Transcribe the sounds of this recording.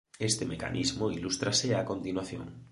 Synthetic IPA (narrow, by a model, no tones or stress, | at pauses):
est̪emeka̰nʔḭzmoilust̪ɾaseakont̪inwaθjo̰ŋ